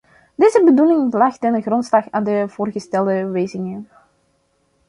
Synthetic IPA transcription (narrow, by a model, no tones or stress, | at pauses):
deːzəbədulɪŋlɑxtənərɔntslɑxaːndəv̥oːrɣəstɛlˠdəʋeːzɪŋən